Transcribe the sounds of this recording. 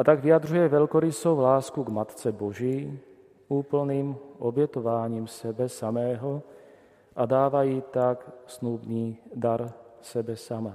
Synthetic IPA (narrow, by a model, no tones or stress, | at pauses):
ʔat̪aɡvɪjad̪r̝ujɛvɛlkoɾɪsowlaːskuɡmat̪t͡sɛboʒiː | ʔuːpl̩niːmʔobjɛt̪ovaːɲiːmsɛbɛsamɛːɦo | ʔad̪aːvajiːt̪aksnubniːd̪aɾsɛbɛsama